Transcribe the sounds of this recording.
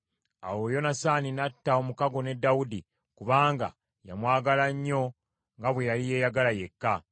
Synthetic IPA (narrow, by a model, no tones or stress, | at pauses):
a̰wo̞jo̞nasaːninatːao̞mukaɡo̞ne̞dːawudi | kuβaːŋɡa̰ | ja̰mwaːɡalaɲːo̞ | ŋɡaβwejalije̞ːjaɡalaje̞kːa